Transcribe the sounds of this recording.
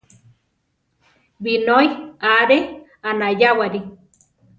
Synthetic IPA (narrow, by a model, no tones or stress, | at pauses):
binojaɾe | anajawaɾi